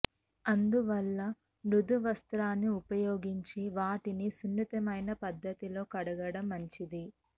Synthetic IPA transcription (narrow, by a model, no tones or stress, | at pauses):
ɐnd̪uʋɐlːɐ | nud̪uʋɐst̪ɾaːnːiupɐjoːɡiɲt͡ʃiʋaːʈinisunːit̪ɐmɐjnɐpɐd̪ːɐt̪ilo̞ːkɐɽɐɡɐɽɐmːɐɲt͡ʃid̪i